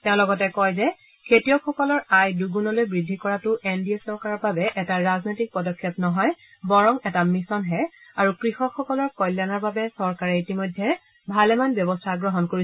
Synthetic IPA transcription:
tɛʊ̃lɔɡɔtɛkɔjzɛ | kʰetijɔxɔkɔlɔɹajduɡunɔlojbɹidʱːikɔɹatʊʔendiesɔɹkaɹɔbabɛʔɛtaɹaznojtik̚pɔdɔkʰːɔpnɔɦɔj | bɔɹɔŋɛtamisɔnɦɛaɹukɹixɔxʰɔkɔlɔɹkɔjlːjanɔɹbabɛsɔɹkaɹɛitimojdʱːɛ | bʱalɛmanbjɔbɔstʰaɡɹɔɦɔnkoɹi

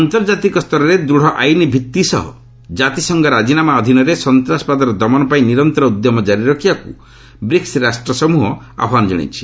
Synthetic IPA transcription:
ɔnt̪ɔɾd͡ʒat̪ikɔst̪ɔɾɔɾed̪ɾuɽ̤ɔʔajnibʱit̪ːisɔ̰ɦɔ̰ | d͡ʒat̪isɔŋɡɔɾad͡ʒinamaɔd̪ʱinɔɾesɔnt̪ɾasɔ̥pad̪ɔɾɔd̪ɔmɔnɔpaĩniɾɔnt̪ɔɾɔud̪jɔmɔd͡ʒaɾiɾɔkʰjakṵ | bɾiksɾasʈɾɔsɔmuɦɔ | a̰bʱwanɔd͡ʒɔ̰ɽ̃ḭt͡ʃʰi̥

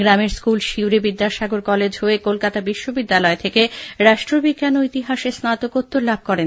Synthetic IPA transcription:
ɡɾameɾskulʃiwɾebid̪ːaʃaɡoɾkɔled͡ʑɦoekolkat̪abiʃːobid̪ːalɔet̪ʰekeɾaʃʈɾobikːanoit̪iɦaʃeɾsnat̪okot̪ːoɾlab̚ʱkɔɾen

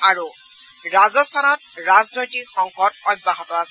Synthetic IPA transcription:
aɹu | ɹazɔstʰanɔt̚ɹaznojtikxɔŋkɔtɔjbaɦɔtɔasɛ

